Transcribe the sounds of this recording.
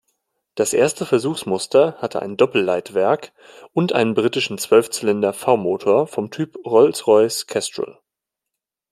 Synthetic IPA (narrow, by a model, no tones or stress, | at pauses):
d̥asʔḛːɐstəfɛɐzuːxsmʊstʰɐhatʰəʔa̰ɪndɔpl̩laɪtv̥ɛɐk | ʔʊntʔa̰ɪnənbʁiːtɪʃn̩t͡sv̥œlft͡sɛlɛndɐfaʊmoːtʰoːɐfɔmtʰyːpʁɔlsʁɔʏskʰɛstʁ̥ə̰l